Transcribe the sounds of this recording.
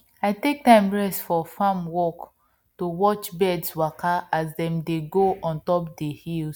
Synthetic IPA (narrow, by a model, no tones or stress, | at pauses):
aɪtek̚tãɪ̃mɹɛstfɔfãmwɔk | towɔt͡ʃbɛdswakʰaʔazdɛ̃mdeɡoɔ̃ntɔpdehils